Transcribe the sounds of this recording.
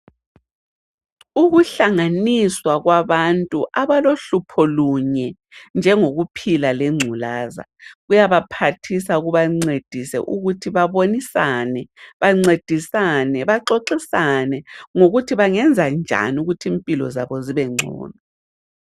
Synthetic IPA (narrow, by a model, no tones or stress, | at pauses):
uɣuɬaŋaniswaɣwaβantʼuʔaβaloɬupʰɔluɲɛ | nd͡ʒʱɛŋoɣupʰilalɛŋ͡ǀʱulaːza̰ɣujaβapʰatʰisaɣuβaŋ͡ǀed̥ʱisɛ̰ʔuɣutʰiβaβonisanɛβaŋ͡ǀed̥ʱisanɛβaǃoǃisanɛŋoɣutʰiβaŋɛnd͡zʱand͡ʒʱa̰nuɣutʰimpʼilɔ̰zaβɔziβɛŋ͡ǀʱɔ̰ːna